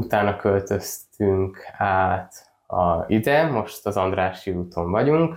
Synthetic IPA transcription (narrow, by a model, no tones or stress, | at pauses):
ut̪aːnɒkølt̪ø̞st̪t̪yŋkʰaːt̪ | ɒ̰zid̪ɛmo̞ʃt̪ɒzɒnd̪raːʃiuːt̪ʰo̞ɱvɒɟuŋk